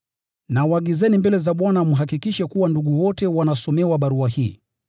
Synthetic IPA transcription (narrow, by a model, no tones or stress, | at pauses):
nawaɠizɛnimbɛlɛzaɓwanamuɦakikiʃɛkuwanduɠuwɔtɛwanasɔmɛwaɓaɾuahiː